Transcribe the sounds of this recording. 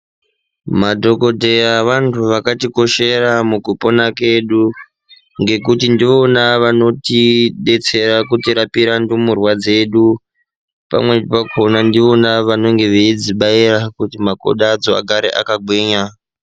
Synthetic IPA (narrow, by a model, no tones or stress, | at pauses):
madʱo̞ko̞te̞jaʋantʰuʋakatiko̞ʃe̞ɾamuɡʱupo̞nake̞ɗu | ŋɡe̞k̬utindiʋo̞naʋano̞tiɗe̞t͡se̞ɾakutiɾapiɾandumurwad͡ze̞ɗu | pa̰mwe̞pakʰo̞nandiʋo̞naʋano̞ŋɡe̞ʋeid͡ziɓairakutimako̰ɗad͡zo̞a̰ɡʱaɾḛʔa̰kaɡʱwiːɲa